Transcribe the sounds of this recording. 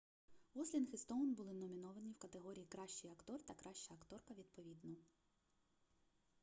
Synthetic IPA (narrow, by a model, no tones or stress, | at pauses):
ʋɔslʲinxɪst̪ɔwnbʊlˠɪnɔmʲinɔʋɐnʲiwkɐt̪eɦɔɾʲijikɾɑʃt͡ʃɪjɐkt̪ɔrt̪ɐkɾʔɑʃt͡ʃɐɐkt̪ɔrkɐʋʲid̪̚pɔʋʲid̪nɔ